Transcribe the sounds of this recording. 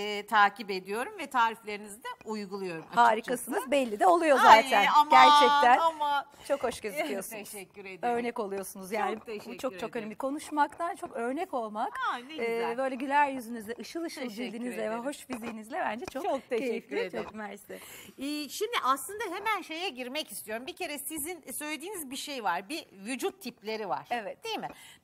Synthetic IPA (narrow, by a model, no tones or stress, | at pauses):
ɛːt̪ʰaːcibe̞d̪ijo̞ɾumvɛt̪ʰaːɾiflʲe̞ɾinizid̪ɛujɡulˠujo̞ɾumhaːɾikasɯnɯzbɛlʲːid̪ɛo̞lˠujo̞zaːt̪ʰænamɟæɾt͡ʃʰɛc̚t̪ʰænama | t͡ʃʰo̞kho̞ʃɟezlijo̞sunɛːyɾeø̞ɾnɛko̞lˠujo̞sunuzjaːnibut͡ʃʰo̞t͡ʃʰo̞kønɛbikʰo̞nuʃmakt̪ʰant͡ʃʰo̞kø̞ɾnɛco̞lˠmakneɯːbø̞jlʲɛɟylʲæɾjyzynyzlʲɛʔɯʃɯlˠɯʃɯlˠd͡ʒilʲd̪inizlʲɛvɛɦo̞ʃfizijːnizlʲɛbænd͡ʒɛt͡ʃʰokok̚t̪ʰɛyt͡ʃokmæɾst̪ɛː | ʃimd̪iʔaslˠɯnd̪aɦe̞mænʃe̞jɛɟiɾmɛci̥st̪ʰijo̞ɾumbicʰe̞ɾɛsizinsø̞jlʲed̪iːnizbiʃejvaɾbivyd͡ʒut̪ʰːiplʲe̞ɾiva̰ɾ̥evɛt̪̚d̪ejmɪ